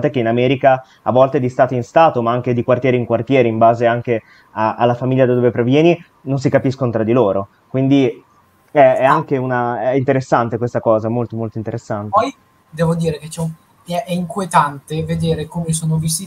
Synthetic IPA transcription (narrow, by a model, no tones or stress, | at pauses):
at̪ekeinamɛːɾika | a̰vːɔlt̪ed̪ist̪aːt̪oinst̪aːt̪omaaŋk̟ed̪ikwart̪jɛːɾeiŋkwart̪jɛːɾeimbaːzeaŋk̟e | aalːafamilʎːad̪ad̪oːvepɾevjɛːni | nons̬ikapiskonot̪ɾad̪iloːɾo | kwind̪i | ɛɛaŋkeunaɛint̪eɾesːant̪ekwest̪akɔːzamolt̪omolt̪oint̪eɾesːant̪pɔj | d̪ɛːvod̪iːɾeket͡ʃɛu | ɛʔɛiŋkuet̪ant̪eved̪eːɾekomesoːnovisi